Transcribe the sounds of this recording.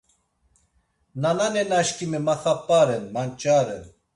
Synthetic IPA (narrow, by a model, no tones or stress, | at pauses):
nananɛnaʃkimɛmaχapʼːaɾɛnmant͡ʃʼaɾɛ̰n